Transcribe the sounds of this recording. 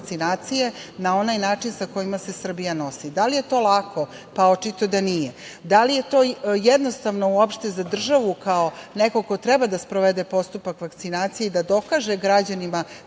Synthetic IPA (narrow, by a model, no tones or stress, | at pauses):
t̪sinaːt̪sijenao̞najnaːt͡ʂinsako̞jimase̞sr̩bijano̞sid̪alije̞t̪o̞ːlˠakʰo̞ | paot͡ʃit̪o̞d̪anijed̪alije̞t̪o̞ːjed̪no̞st̪aʋno̞uopʃt̪e̞zad̪r̩ʒaʋukaoneko̞ko̞t̪ɾɛbad̪aspɾoʋed̪epo̞st̪upakʋakt̪sinaːt̪sijeid̪ad̪o̞kaːʒeɡɾad͡ʑanima